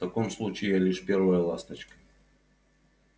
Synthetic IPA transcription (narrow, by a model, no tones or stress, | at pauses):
t̪ɐkomslˠut͡ɕɪjalʲiʂpʲervəjəlˠast̪ət͡ɕkə̥